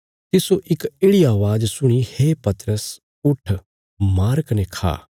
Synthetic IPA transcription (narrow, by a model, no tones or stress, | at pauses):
t̪ɪsoʔɪkeːɽiaːʋaːd͡ʒsʊɽ̃iheːpɐt̪ɾəs | ʊʈʰ | maːɾkənekʰa̰ː